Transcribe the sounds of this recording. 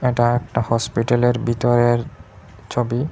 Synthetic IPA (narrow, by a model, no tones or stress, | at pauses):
eʈaɛk̚ʈahɔspiʈaleɾbit̪ɔɾeɾ | t͡ɕʰobi